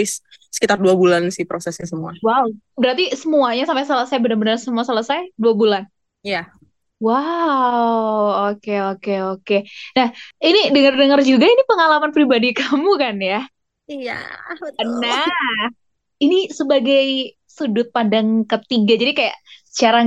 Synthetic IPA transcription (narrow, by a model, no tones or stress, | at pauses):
ɪs | sə̥kit̪arduabulansɪhpɾosɛsɲasəmuawaw | bəɾart̪isəmuaɲasampajsələsajbənərbənərsəmuasələsajduabulan | ija | wa | wokeokeokenahinidəŋərdəŋərd͡ʒuɡainipəŋalamanpɾibadikamukanja | ija̰ənːah | inisəbaɡaj | sudʊt̪̚padaŋkət̪iɡad͡ʒadikajaʔsə̥t͡ʃaɾa